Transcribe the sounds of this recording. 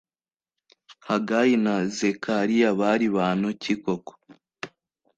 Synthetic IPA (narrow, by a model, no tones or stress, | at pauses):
haɡajinazekʰaɾijaβaɾiβaːn̥ucikoko̥